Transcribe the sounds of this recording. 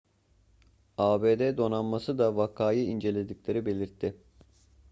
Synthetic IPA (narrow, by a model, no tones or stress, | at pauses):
aːbeːd̪ɛd̪o̞nanmasɯd̪avakʰaːjɯind͡ʒe̞lʲe̞d̪iclʲe̞ɾibe̞lʲiɾt̪ʰːɪ